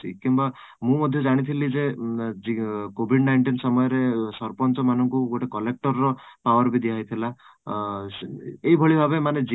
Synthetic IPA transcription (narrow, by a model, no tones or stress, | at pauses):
ḭkimba | mũmɔd̪ʱjɔd͡ʒaɽ̃it̪ʰilid͡ʒed͡ʒikobʱiɖnajɳʈinsɔmɔjɔɾesɔɾpɔnt͡ʃɔmanɔŋkuɡoʈekɔlek̚ʈɔɾːɔpawɔɾbid̪ʱiɦaɦit̪ʰila | eɦibʱɔɭibʱabemaned͡ʒ